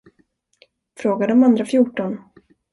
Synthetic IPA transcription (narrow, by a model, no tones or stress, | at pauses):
fɾoːɡad̪əɔmand̪ɾafjʊʈːɔn